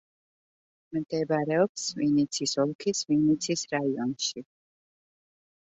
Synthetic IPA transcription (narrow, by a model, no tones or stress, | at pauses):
md̪̥ɛbaɾɛɔpsvinit̪sʰisɔlˠkʰisvinit̪sʰisɾaiɔnʃi